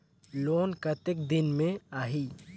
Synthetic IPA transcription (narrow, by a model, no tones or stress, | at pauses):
loːnkət̪ɪk̚d̪ɪnmẽaːɦiː